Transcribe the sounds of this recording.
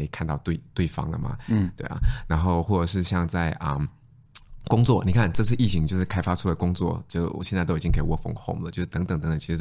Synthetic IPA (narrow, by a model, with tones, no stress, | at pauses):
i˧˩kʰnt̪ɑ˥˧ʊt̪we˥˩ɪt̪we˥˩ɪfɑ̰˥ŋlə̰˨mɐ̰˨˩t̪we˥˩ɪɐ̰˨˩na˧˥nxo˥˧ʊxwɔ˥˩ʈ͡ʂə˨˩ʂɻ̩˥˧ɕjɑ˥˧ŋt͡sa˥˩ɪʔə˩ | kʊ˥ŋt͡swɔ˥˩ni˨˩kʰa˥˩nʈ͡ʂɤ˥˧t͡sʰɹ̩˥˧i˥˩t͡ɕʰi˧˥ŋt͡ɕjo˥˧ʊʂɻ̩˥˩kʰa˥ɪfa˥ʈ͡ʂʰu˥d̪ə˩kʊ˥ŋt͡swɔ̰˥˩t͡ɕjo̰˥˩˨ɕjna˥˧to˥˨˩t͡ɕiŋke˥˩i˨˧wɔ˥˩fɤ̰˧˥˩ŋxo˥˩ʊmlə̰˨˩t͡ɕjo˥˧ʂ̩˥˩t̪ə˧˥ŋt̪ə˨˧˩ŋt̪ə˧˦ŋt̪t͡ɕʰi˧ʂɻ̩˧˥